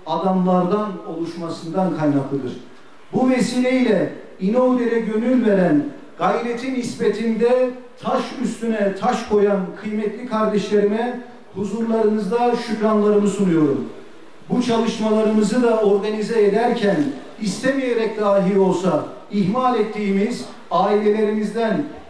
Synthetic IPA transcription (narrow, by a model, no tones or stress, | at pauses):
ad̪amlˠaɾd̪ano̞lˠuʃmasɯnd̪ankʰajnaklˠɯd̪ɯɾ̥ | buvesiːlʲeiɛ | ino̞vd̪eɾɛɟø̞nylʲve̞ɾæn | ɡ̥ajɾet̪ʰinispet̪ʰind̪ɛt̪ʰaʃyst̪ynɛt̪ʰaʃkʰo̞jankʰɯjmɛt̪lʲikʰaɾd̪ɛʃlʲeɾimɛ | huzuɾlˠaɾɯnɯzd̪aʃykɾanlˠaɾɯmɯsunujo̞ɾum | but͡ʃʰalˠɯʃmalˠaɾɯmɯzɯd̪ao̞ɾɡanizɛed̪æɾcʰæn | ist̪ʰemijeɾɛc̚d̪aːɦio̞lˠsa | iɦmalʲɛt̪ʰːiːmiz | aːilʲe̞lʲe̞ɾimizd̪æn